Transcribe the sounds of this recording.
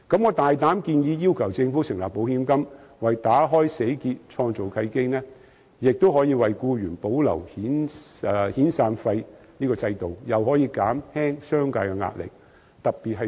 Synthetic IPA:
kɐ˨˥mŋɔː˨˧t̪aː˨jt̪aː˨˥mkiː˧njiː˧jiː˥wkʰɐ˨˩wt͡sɪ˧ŋfu˨˥sɪ˨˩ŋlaː˨k̚po˨˥whiː˧˥mkɐ˥mwɐ˨jt̪aː˨˥ɦɔː˥jse˨˥jkiː˧t̚t͡ʃʰɔː˧ŋt͡so˨wkʰɐ˧jke˥jnɛː˥ | jɪ˨k̚t̪o˥whɔː˨˥jiː˧wɐ˨jkuː˧jyː˨˩npo˨˥wlɐ̰˨˩whiː˨˥n | hiː˨˥nsaː˧nfɐ˧jniː˥kɔː˧t͡sɐ˧jt̪o˨˩wjɐ˨˩whɔː˨˥jiː˨˧kaː˨˥mhɛː˥ŋsœː˥ŋkaː˧jkɛ˧ŋa̰ː˧t̚lɪ̰˨˩k̚ | t̪ɐ˨k̚piː˨t̚hɐ˨

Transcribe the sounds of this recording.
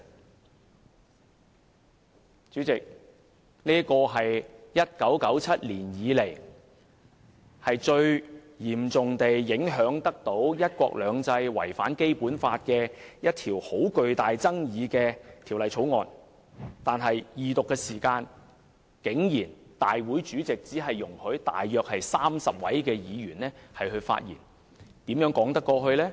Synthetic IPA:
t͡ʃyː˨˥t͡sɪ˨k̚ | niː˥kɔː˧ɦɐ˨jjɐ˥t̚kɐ˨˥wkɐ˨˥wt͡sʰɐ˥t̚liː˨˩njiː˨˧le˨˩j | hɐ˨jt͡ʃɵ˧ɥ | jiː˨˩mt͡sʊ˨ŋt̪e˨jːɪ˨˥ŋɦœː˨˥ŋt̪ɐ˥k̚t̪o˨˥wjɐ˥t̚kʷɔ̰ː˧k̚lœː˨˧ŋt͡sɐ˧jwɐ̰˨˩jfaː˨˥nke˥jpuː˨˥nfaː˧t̚kɛ˧jɐ˥t̚t̪ʰiː˨˩who˨˥wkɵ˨ɥt̪aː˨jt͡sɐ˥ŋjiː˨˧kɛː˧t̪ʰiː˨˩wlɐ˨jt͡sʰo˨˥wŋɔː˨˧n | t̪aː˨nɦɐ˨jjiː˨t̪ʊ˨kːɛː˧siː˨˩kaː˧n | kɪ˨˥ŋjiː˨˩nt̪aː˨jwu˨˥jt͡ʃyː˨˥t͡sɪ˨k̚t͡siː˨˥ɦɐ˨jːʊ˨˩ŋhɵ˨˥ɥt̪a̰ː˨jːœː˨k̚hɐ˨jsaː˥msɐ˨p̚wɐ̰˨˥jkɛː˧jiː˨˧jyː˨˩nlɛː˥hɐ˨jɦɵ˧ɥfa̰ː˧t̚jḭː˨˩n | t̪iː˨˥mjœː˨˥ŋkɔː˨˥ŋt̪ɐ˥kːɔː˧ɦɵ˧ɥlɛː˥

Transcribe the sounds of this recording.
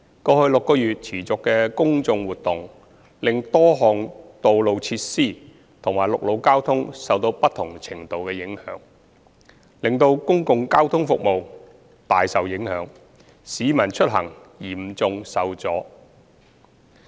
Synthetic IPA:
kɔː˧hɵ˧ɥlʊ˨kːɔː˧jyː˨t̚t͡sʰiː˨˩t͡sʊ˨kːɛː˧kʊ˥ŋt͡sʊ˧ŋwuː˨t̚t̪ʊ˨ŋ | lɪ˨ŋt̪ɔː˥ɦɔː˨ŋt̪o˨wlo˨˧wt͡sʰiː˧˥t̚siː˥˩ | t̪ʰʊ˨˩ŋmaː˨˩jlʊ˨k̚lo˨˧wkaː˥wt̪ʰʊ˥ŋsɐ˨wt̪o˧wpɐ˥t̪ʰːʊ˨˩ŋt͡sʰɪ˨˩ŋt̪o˨wkɛː˧jɪ˨˥ŋhœ̰ː˨˧˥ŋ | lɪ˨ŋt̪o˧wkʊ˥ŋkʊ˨ŋkaː˥wt̪ʰʊ˥ŋfʊ˨k̚mo˨w | t̪aː˨jsɐ˨wjɪ˨˥ŋhœ̰ː˨˧˥ŋ | siː˨˧˥mɐ˨˩nt͡ʃʰɵ˥t̚ɦɐ̰˨˩ŋjiː˨˩m̩˨˩t͡sʊ˨ŋsɐ˨wt͡sɔː˨˥

